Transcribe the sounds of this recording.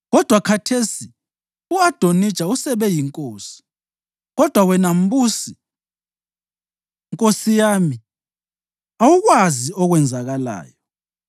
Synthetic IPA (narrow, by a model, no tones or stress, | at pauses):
ɣɔd̥ʱwakʰatʰesi | uad̥ʱonid̥t͡ʃʼausɛβɛjiŋkʼoːsi̥ | ɣɔd̥ʱwawɛnam̩busi | ŋkʼosijaːmi | awuɣwaziɔɣwɛnd͡zʱaɣala̰ːjɔ